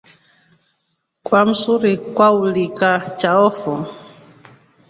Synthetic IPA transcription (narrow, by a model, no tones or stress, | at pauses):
kwam̩suɾikwaulikat͡ʃaɔfɔ